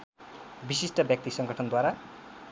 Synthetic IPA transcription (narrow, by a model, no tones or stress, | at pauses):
bisisʈʌbjʌk̚t̪isʌŋɡʌʈʰʌnd̪waɾa